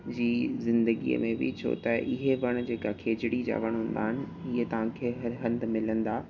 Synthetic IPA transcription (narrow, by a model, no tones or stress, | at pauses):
d͡ʑiːzɪ̃nd̪əɡḭə̰mẽbɪ̰t͡ɕʰo̰ːt̪ɐʔɪɦeʋɐɽ̃̆d͡ʑeːkakʰeːd͡ʑɪɽid͡ʑa̰ːʋɐɽ̃ɦũːn̆d̪aːɦɪnɪ̆ | ɪɦet̪ɐʋ̤ãkʰeːɦɐɾɦɐ̃nd̪mɪlə̃nd̪aː